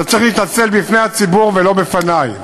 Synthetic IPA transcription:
at͡sʁiχliːt̪nat͡se̞lbifne̞jat͡sibuʁvelo̞befanaj

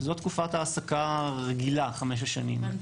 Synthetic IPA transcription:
zot̪kufat̪aːsakaʁeɡilaχameʃ̬aʃanim

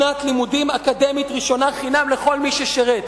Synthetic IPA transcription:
nat̪limud̪imakad̪emit̪ʁiʃo̞naχinamleχo̞lmiʃeʃeʁet̪

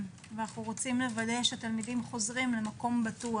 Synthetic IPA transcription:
venaχuʁo̞t͡simle̞vadeʃeat̪almidimχo̞zʁimlemako̞mbat̪ua

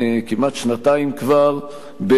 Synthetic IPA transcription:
kimat̪ʃnat̪aimkvaʁ | be

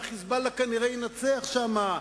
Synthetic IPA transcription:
χisbalakaniʁejinat͡seaχʃama

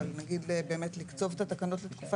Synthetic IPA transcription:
lnaɡidlebe̞ːmet̪likt͡so̞vet̪at̪akano̞tlet̪kufa

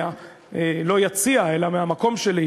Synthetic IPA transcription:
a | elo̞jat͡siae̞lameamako̞mʃel

